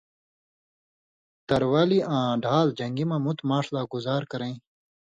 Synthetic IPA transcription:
t̪ɐɾwaːliʔãːɖʱaːld͡ʑɐŋɡimãmut̪maːʂlaːɡuzaːɾkɐɾẽĩ

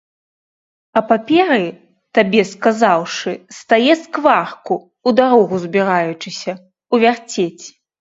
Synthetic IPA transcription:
ɐpapʲɛɾɨ | t̪abʲɛskazawʂɨst̪ajɛskvarku | ud̪aɾɔɣuzbʲiɾajut͡ʂɨsʲɐ | uvʲart͡sʲet͡sʲ

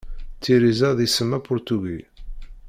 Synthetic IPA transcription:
t͡sːiɾizæðisəmːæpʊɾt̪uɡi

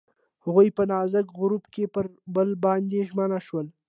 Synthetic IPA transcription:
haɣujpənɑzəkɣʊɾubkepəɾbəlbɑnd̪eʒmənaʃwəl

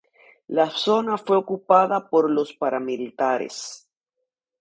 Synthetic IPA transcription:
laso̞nafwe̞okupaðapo̞ɾlo̞spaɾamilit̪aɾḛs

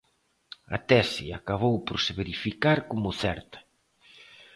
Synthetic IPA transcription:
a̰t̪ɛsiakaβ̞owpoɾseβeɾifikaɾkomʊθɛɾt̪ɐ̥

